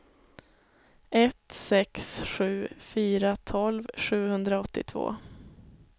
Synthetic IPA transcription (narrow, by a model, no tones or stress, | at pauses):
ɛt̪sɛksɧʉ̟ːfyːɾat̪ʰɔlvɧʉ̟ːhɵnd̪ɾaɔt̪ːɪ̰t̪ʰvo̰ː